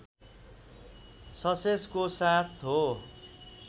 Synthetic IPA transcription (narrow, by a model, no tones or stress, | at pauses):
sʌseskosat̪ʰɦo